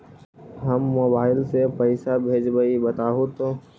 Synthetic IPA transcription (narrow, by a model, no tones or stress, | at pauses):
ɦəmːoːbaːɪlsepəɪsabʱeːd͡ʒbəibət̪aːɦot̪oː